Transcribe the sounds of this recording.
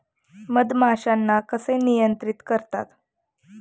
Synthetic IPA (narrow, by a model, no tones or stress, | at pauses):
məd̪maɕanːakəsenijənt̪ɾit̪kəɾt̪a̰t̪